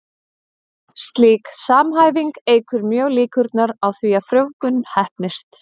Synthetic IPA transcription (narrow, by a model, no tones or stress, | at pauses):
st̪liːksaːmɦaːjviŋkeːjkʰʏɾmjœːɣliːkʰʏɾt̪naɾawθviafɾjoːwkʏnːhɛhpnɪst̪